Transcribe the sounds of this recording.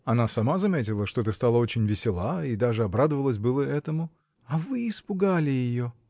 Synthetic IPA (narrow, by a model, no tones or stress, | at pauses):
ɐnasɐmazɐmʲetʲɪlˠəʂt̪o̞t̪ɨst̪alˠəo̞t͡ɕɪnʲvʲɪsʲɪlˠaid̪aʐɨɐbɾad̪əvəlˠəs̬ʲbɨlˠəɛt̪əmʊ | ɐvɨːspʊɡalʲɪjɪjo̞